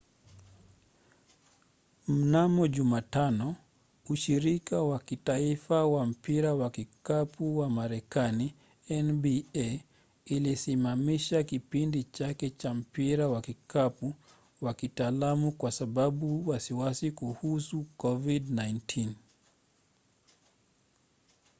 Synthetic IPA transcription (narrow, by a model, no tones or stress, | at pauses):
m̩namɔʄumatanɔ | uʃiɾikawakitaifawam̩piɾawakikapuwamaɾɛkani | ɛnbiɛ | ilisimamiʃakipindit͡ʃakɛt͡ʃam̩piɾawakikapu | wakitaːlamukwasaɓaɓuwasiwasikuhusukɔvidnajntʰin